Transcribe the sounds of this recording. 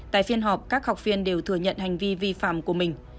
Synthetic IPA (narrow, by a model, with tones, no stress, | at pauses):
t̪a̰ː˧˨jfi˧ənɦɔ˨˩p̚kaː˦˥k̚ha˨˩wk͡p̚fi˧ənɗe˨˩wt̪ʰɨ˧˩əɲə̰˧˨nha˨˩jŋ̟vi˧vi˧fa̰ː˧˨mku˧˩əmï˨˩ŋ̟